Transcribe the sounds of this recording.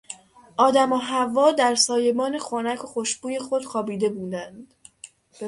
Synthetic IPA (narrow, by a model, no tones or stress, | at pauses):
ʔɒːd̪æmoɦævːɒːd̪æɾsɒːje̞bɒːne̞xoːnækʰo̞xoʃb̥uːje̞xo̞d̪̥xɒːbiːd̪e̞buːd̪ænd̪̥